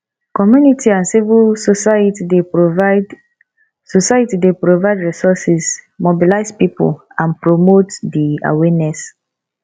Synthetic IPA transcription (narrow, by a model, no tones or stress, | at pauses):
kɔmjunitʰiãnsivilstide | sosajtidepɹovaɪdɹisɔsismobilaɪspipṵlãnpɹomotdia̰wɛnɛs